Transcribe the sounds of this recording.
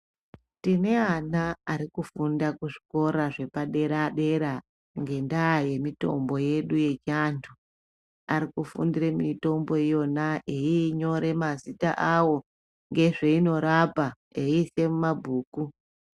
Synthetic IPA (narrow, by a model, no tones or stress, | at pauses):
tine̞anaaɾikufundakuʐi̥ko̞ɾaʐe̞paɗe̞ɾaɗe̞ɾa | ŋɡe̞ndaːje̞mito̞̰mbo̞je̞ɗuje̞t͡ʃantʰu | aɾikufṵndiɾe̞mito̞mbo̞ijo̞naʔeiːɲo̞ɾe̞mazita̰ʔawo̞ | ŋɡe̞ʐeino̞ɾapa | eise̞mumabʱuːku